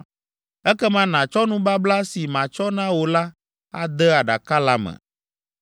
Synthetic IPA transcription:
ɛ˦kɛ˦mã˦nã˨t͡ʃɔ˦nũ˦ba˦bla˦si˨mã˨t͡ʃɔ˦nã˦wo˨la˦ | a̰˦d̪ɛ˦a˨ɖa̰˨ka˦la˦mɛ̰̃˨

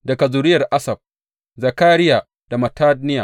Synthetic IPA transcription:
dɐ˨ɡa˨zʊ˨ɾɪ˦jɐ˨rʔa˦sɐ˨b̥̚ | zɐ˨kaː˦ɾɪ˦jaː˨ | d̥a˨mɐ˨taː˦d̚nɪ˦ja̰ː˨

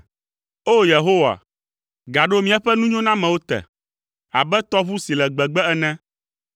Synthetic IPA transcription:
o˦je˨ɦo˦wa̰˨ | ɡa˨ɖo˦mĩ˦ɛ˨ɸɛ˦nũ˦ɲɔ̃˦nã˦mɛ̃˨wo˦t̪ɛ̰˨ | a̰˨bɛ˦t̪ɔ˦βu˦si˨lɛ˨ɡ͡bɛ˨ɡ͡bɛ˦ɛ˨nɛ̃˦

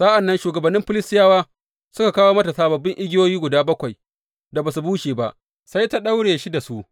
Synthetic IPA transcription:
sa˦ʔa˨nːɐ˦nʃuː˨ɡɐ˨bɐ˨nːɪ˦mɸɪ˦lɪ˦stɪ˦jaː˦waː˦ | sʊ˦ka˨kaː˦woː˦mɐ˦tɐ˨saː˦bɐ˨bːɪ˦ŋʔɪ˦ɡʲɪ˦joː˦jiː˦ɡʷʊ˨daː˦bɐ˦kʷa˨j | da˨baː˨s̬u˨buː˦ʃeː˨ba˦ʔ | sa˦jta˦ɗa˦wɽeː˨ʃi˦da˨su˦ʔ

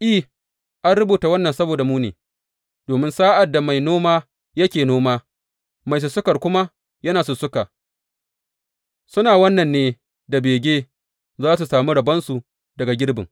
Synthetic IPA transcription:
ʔi˦˨ | ʔa˦nɽʊ˦buː˨ta˨wɐ˦nːɐ˨nsɐ˦boː˨da˨muː˦neː˨ | d̥oː˨mɪ˦nsaː˦ʔa˨dːa˨ma˨jnoː˦maː˦ | jɐ˦kʲeː˨noː˦maː˦ | ma˨js̬ʊ˨sʊ˦kɐ˨rkʷʊ˦ma˦ | jɐ˦naː˨sʊ˨sʊ˦kaː˨ | sʊ˦naː˨wɐ˦nːɐ˨nːeː˦ | da˨beː˨ɡʲeː˦ | zaː˦s̬u˨saː˨mi˦ɽɐ˨bɐ˦nsu˨ | dɐ˨ɡa˨ɡʲɪ˦ɽbɪ̰˨ŋ

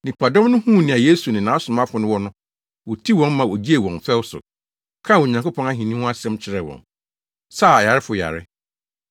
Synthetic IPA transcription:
nĩ˨pʰa˨dɔ̃˦mnʊ̃˦hũ˦˨nĩ˨a˨je˦su˨nɪ̃˨nã˨˦sʊ̃˨m˦ã˦fʊ˨nʊ̃˦wɔ˦nʊ̃˦ | wɔ˨tʰi˦˨wɔ̃˦m˦mã˨wɔ˨d͡ʑi˦e˨wɔ̃˨nfɛ˦wsʊ̰˨ | kʰã˦˨wo˨ɲã˨ŋkʊ˦pʰɔ̃˦na˦ɦĩ˨nĩ˦w̃a˦sɛ̃˦mt͡ɕʰɪ˨ɾɛ˨wɔ̰̃˨n | sa˦˨a˨ja˨ɾɪ˦fʊ˨ja̰˨ɾɪ̰˦

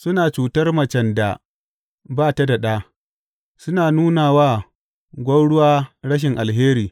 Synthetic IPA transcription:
sʊ˦naː˨t͡ʃuː˨tɐ˦rmɐ˨t͡ʃɐ˨nda˨ | baː˦ta˦da˨ɗaː˦ | sʊ˦naː˨nuː˦naː˨waː˦˨ | ɡʷɐ˦ɽʊ˦waː˦ɽɐ˦ʃ̬ɪ˨ŋʔa˨lɦeː˦ɾiː˨

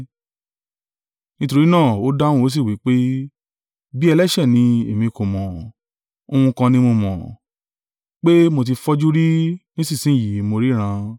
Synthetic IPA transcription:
nĩ˦to˧ɾi˦nãː˦˨o˨˦dã˦ũ˧o˨˦s̬i˦˨wi˨˦k͡pe˦ | bi˦ɛ˧lɛ˦ʃɛ˦˨nĩ˧e˨mĩ˧kõ˨mɔ̃˨ | o˧ũ˧kã˧nĩ˧mõ˧mɔ̰̃˨ | k͡pe˦mo˧t̬i˧fɔ˦d͡ʒu˦ɾi˦nĩ˦si˦˨sĩ˨˦˨ji˨mo˧ɾi˦ɾ̃ã˧

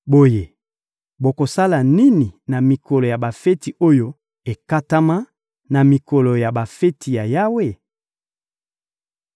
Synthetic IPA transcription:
bo˨je˨ | bo˨ko˨sa˦la˨ni˦ni˨na˨mi˨kɔ˨lo˨ja˨ba˨fe˦ti˨ʔo˦jo˦ | e˨ka˦ta˦ma˦ | na˨mi˨kɔ˨lo˨ja˨ba˨fe˦tʰi˨ja˨ja˦we˦˨

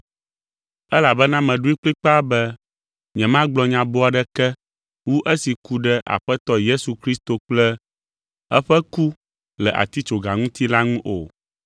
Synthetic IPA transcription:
ɛ˦la˨bɛ˦nã˦mɛ̃˨ɖu˦i˦k͡pli˦k͡pa˦bɛ˦ | ɲɛ̃˨mã˦ɡ͡blɔ˨ɲã˨bo˦a˨ɖɛ˦kɛ˦ | wu˦ʔɛ˦si˨ku˦ɖɛ˦ʔa̰˨ɸɛ˦t̪ɔ˦je˦su˨kɾi˦st̪o˨k͡plɛ˦ | ɛ˦ɸɛ˦ku˦ | lɛ˨ʔa̰˨t̪i˦t͡ʃo˨ɡa˨ŋũ˦t̪i˦la˦ŋũ˦ʔo˨

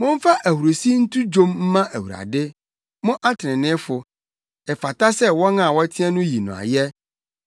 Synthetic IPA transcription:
mʊ̃˦m̩˦fa˦ʔæ˨hu˨ɾo˨si˦n̩˦tʰu˦d͡ʑõ˦mm̩˦mã˦ʔæ˨hu˨ɾa̰˨dɪ˦ | mʊ̃˦ʔa˦tʰɾɪ̃˨nɪ̃˦fʊ˨ | ɛ˨fa˨ta˦sɛ˦wɔ˦nã˦˨wɔ˦tʰi˦a˦nʊ̃˦ji˨nʊ̃˨a̰˨jɛ˦

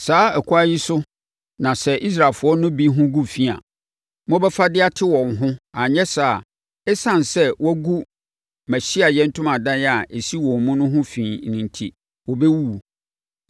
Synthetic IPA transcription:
saː˨˦ɛ˨kʰʊ˦a˦ji˦sʊ˦ | nã˨sɛ˦ʔi˦s̬ɾa˨fʊ˨ɔ˦nʊ̃˦bi˦ɦʊ̃˦ɡu˦fi˦a̰˨ | mɔ̃˦bɛ˦fa˦dɪ˦a˦tʰɪ˦wɔ̃˨ŋɦʊ̃˦a˨ɲɛ̃˦saː˨ | ɛ˦sã˦˨nsɛ˦wɔ˦ɡu˦ | mɛ˨ɕi˦a˨jɛ˦n̩˦tʰʊ̃˦mã˨dã˦jɛ˦a˨ʔe˨si˦wɔ̃˨m˦mũ˦nʊ̃˦ɦʊ̃˦fĩː˨nĩ˨ntʰḭ˨ | wɔ˨bɛ˦wu˦˨

